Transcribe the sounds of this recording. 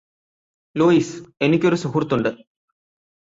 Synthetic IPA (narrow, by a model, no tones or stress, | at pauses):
loːise̞nikʲːo̞ɾusuɦurt̪ːuɳɖɨ